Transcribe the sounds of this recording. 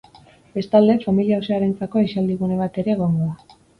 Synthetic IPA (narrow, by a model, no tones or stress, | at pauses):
be̞st̪ald̪e̞familiauseaɾe̞nt͡sako̞eʃald̪iɣune̞β̞at̪e̞ɾe̞ːɣ̞o̞ŋɡo̞a